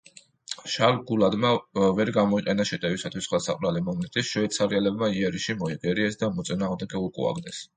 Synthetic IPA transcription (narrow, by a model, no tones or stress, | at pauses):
ʃalɡulad̪mavɛɾɡamɔiqʼɛnaʃɛt̪ʼɛvisat̪ʰwisχɛlˠsaqʼvɾalimɔmɛt̪ʼisʃɔɛt̪sʰaɾiɛlɛbmaiɛɾiʃimɔɛɡɛɾiɛsd̪amɔt̪sʼinaːʁmd̪ɛɡɛukʼṵa̰ɡd̪ɛs